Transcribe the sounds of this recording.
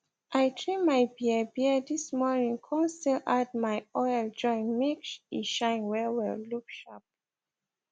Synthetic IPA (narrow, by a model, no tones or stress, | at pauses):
ʔajtɹĩmajbiəbiədismɔnĩŋkʰɔ̃nstilad̚majɔjld͡ʒɔ̃ɪ̃nmikʃḭʃãɪ̃nwɛwɛ̰lukʃap̚